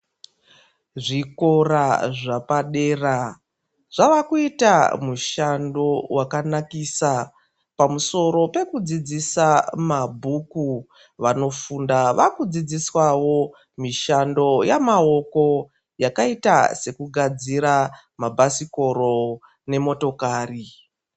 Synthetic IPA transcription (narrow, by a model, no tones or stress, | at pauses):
ʐikoraʐapaɗe̞ːra | ʐ̥aʋakuita̰muʃando̞wakanakisa | pamuso̞ɾo̞pe̞kud͡zid͡zisamabʱuku | ʋano̞fundaʋakud͡zid͡ziswawo̞ | miʃando̞jamao̞ko̞ | jakaita̰se̞kuɡʱad͡ziɾa | mabʱasiko̞ɾo̞ | ne̞mo̞to̞kaːri